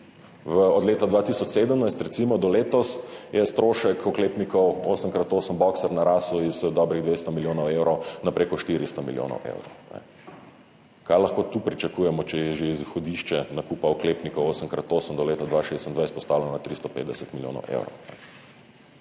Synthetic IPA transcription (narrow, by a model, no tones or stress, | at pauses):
ʋəɔd̪leːt̪ɔd̪ʋat̪isɔt͡ʃseːd̪əmnaɪjst̪ɾɛt̪simɔd̪ɔleːt̪ɔsjɛst̪ɾoːʃəkɔklepnikɔwosəmkɾat̪oːsəmbɔksɛɾnaɾasuizd̪ɔbɾiɣd̪ʋest̪ɔmiljoːnɔwewɾɔwnapɾʔeːkɔʃt̪iɾist̪ɔmḭljo̰ːnɔ̰wʔḛwɾɔwnɛ̰ | kajlaxkoːt̪uːpɾit͡ʃakuːjɛmɔt͡ʃɛjɛʒeizxɔd̪iʃt͡ʃɛnakuːpaɔkleːpnikɔwoːsəŋkɾat̪oːsəmd̪ɔleːt̪ɔd̪ʋaʃest̪ənd̪ʋajst̪pɔst̪aːwlənnat̪ɾist̪ɔpḛːt̪d̪ɛsət̪miljo̰ːnɔ̰wʔḛwɾɔ̰wnɛ